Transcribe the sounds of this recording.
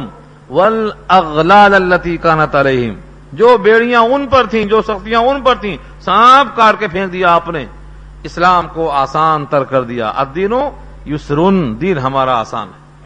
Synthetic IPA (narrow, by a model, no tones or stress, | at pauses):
wɐlɐɣlaːlɐlːɐt̪iːkaːnɐt̪ɐleːɦɪ̰m | d͡ʒoːbeːɽ̤ijãʊnpɐɾt̪ʰĩd͡ʒoːsɐxt̪ijãʊnpɐɾt̪ʰĩ | sãːpʰkaːɾkepʰẽːk̚d̪ijaaːpne | ɪslaːmkoaːsaːnt̪ɐɾkɐɾd̪ija̰ʔɐ̰d̪iːno | jʊsɾʊnd̪iːnɦɐmaːɾaa̰ːsa̰ːnɦɛ